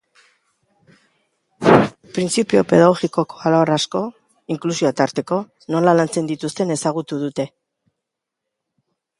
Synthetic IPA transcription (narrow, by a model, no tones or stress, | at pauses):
pɾint͡sipio̞pe̞ðaɣ̞o̞ɣiko̞ko̞alaorasko̞ | iŋklusio̞at̪aɾt̪e̞ko̞ | no̞lalant͡se̞nd̪it̪ust̪e̞ne̞saɣ̞ut̪uðut̪e̞